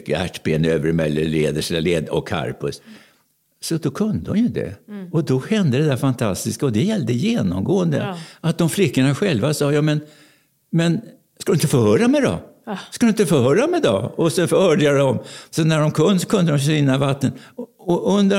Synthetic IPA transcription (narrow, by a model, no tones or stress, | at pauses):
kːəæ̰ʈːbeːnøːvəɾmɛlːəleːd̪əʂlaleːd̪ɔ̰kʰːa̰ɾpɵ̰s | sɔd̪ɔkʰɵnd̪əɔ̰mjɵd̪ɛ̰ɔd̪ɔhɛnd̪əd̪ɛd̪æɾfant̪ʰast̪ɪskaɔd̪ɛjɛlːd̪əjeːnɔ̰mɡoːənd̪əat̪̚d̪ɔmflɪkːəɳaɧɛlvasɑːjɑmɛn | mɛn | skad̪ɵɪnt̪əfohœːɾamɛd̪ɔ̰skad̪ɵɪt̪əfɔhœːɾamɛd̪ɑ̰ɔsɛnfœɾhœːɖad̪ɔmsɔnæɖɔmkʰɵnːsɔ̥kʰɵnd̪əd̪ɔmɕʏnːavat̪ːənɔʔɵnd̪ə